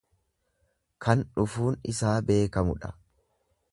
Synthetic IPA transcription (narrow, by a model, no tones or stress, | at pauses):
kʰɐnᶑʊfuːnɪ̰saːbe̞ːkɐmʊᶑɐ̥